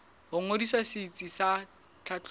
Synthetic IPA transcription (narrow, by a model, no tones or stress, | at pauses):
ɦʊŋodisasit͡sʼisa | t͡ɬʰat͡ɬ